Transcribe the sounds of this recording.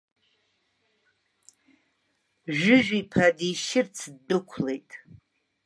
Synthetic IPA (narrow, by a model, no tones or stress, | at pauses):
ʒᶣʊʒᶣipʰadiʃɪrt͡sʰdːɨkʷʰle̞jtʼ